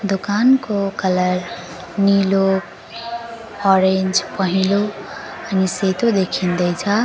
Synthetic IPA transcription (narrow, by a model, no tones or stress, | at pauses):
d̪ukankokʌlʌr | nilok | ɔɾend͡zpʌɦĩlo | ʌniset̪od̪ekʰind̪ʌjt͡sʰʌ